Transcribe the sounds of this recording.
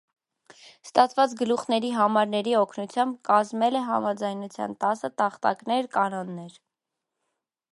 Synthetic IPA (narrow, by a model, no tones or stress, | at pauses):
st̪ɑt͡sʰvɑt͡sɡəluχnɛɾiɦɑmɑɾnɛɾiɔkʰnut͡sʰjɑmb̚kɑzmɛlɛɦɑmɑd͡zɑjnut͡sʰjɑ̰nt̪ɑsət̪ɑχt̪ɑ̰knɛɾkɑnɔnːɛɾ